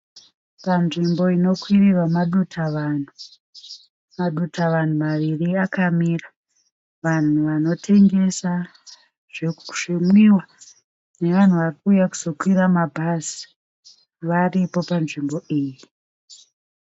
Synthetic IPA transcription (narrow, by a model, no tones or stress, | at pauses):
panʐimbo̞ino̞kwirirwamaɗutʰaʋan̤u | maɗutʰaʋan̤umaʋiriakamira | ʋan̤uʋano̞tʰe̞ŋɡe̞sa | ʐ̥eʐimwiwa | ne̞ʋan̤uʋarikuːjaku̥zo̞kwiramabʱazi̥ | ʋaripo̞panʐimbo̞ʔeːji